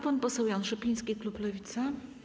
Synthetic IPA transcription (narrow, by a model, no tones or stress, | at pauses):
pɔnpɔsɛwjanʂɛpʲijskʲikluplɔvʲit̪sa